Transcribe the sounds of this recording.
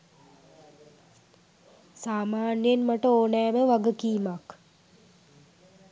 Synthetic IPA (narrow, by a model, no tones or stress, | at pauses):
saːmaːnjenmaʈəoːnɛːməʋaɡəkiːmak